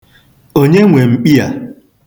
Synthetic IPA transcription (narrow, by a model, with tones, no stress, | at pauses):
o˦ɲe˦ŋʷe˨ŋ͡m̩˨k͡pi˦a̰˨